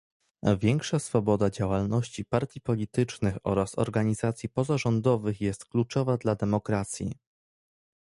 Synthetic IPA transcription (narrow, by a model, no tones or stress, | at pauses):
vʲjɛŋkʂasfɔbɔd̪ad͡ʑawalnɔɕt͡ɕipaɾt̪ʲipɔlʲit̪ɘt͡ʂnɘxɔ̰ɾasɔ̰ɾɡaɲizat̪sʲjipɔzaʐɔnd̪ɔvɘxjɛst̪klut͡ʂɔvad̪lad̪ɛmɔkɾat̪sʲjḭ